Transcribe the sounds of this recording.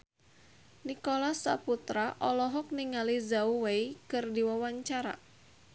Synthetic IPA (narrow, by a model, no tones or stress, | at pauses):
nikolasːa̰put̪ɾaʔɔlɔɦɔk̚niŋalizauweikɨrdiwawaɲt͡ʃaɾa̰